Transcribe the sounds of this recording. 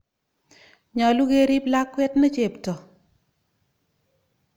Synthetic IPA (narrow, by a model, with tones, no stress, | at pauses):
ɲɔ˨lu˦ɡe˦ɾi˦bla˦kːwɛ˦tnɔ˦t͡ʃe˨ptɔ˨